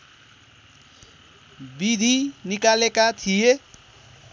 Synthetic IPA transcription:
bid̪ʱinikalekat̪ʰije

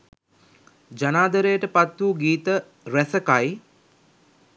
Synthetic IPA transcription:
d͡ʒanaːd̪əɾəjəʈəpat̪ːuːɡiːt̪ə | ɾæsəkaj

